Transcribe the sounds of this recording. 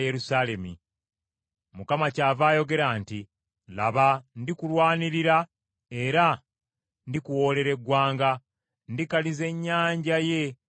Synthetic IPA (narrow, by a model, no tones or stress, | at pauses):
jeɾusale̞mi | mukamacaːvaːjo̞ɡe̞ɾaːnti | la̰βandikulwaːniɾiɾa | e̞ɾa | ndikuwo̞ːle̞ɾe̞ɡːwaːŋɡa | ndikalize̞ɲːaːɲɟaje̞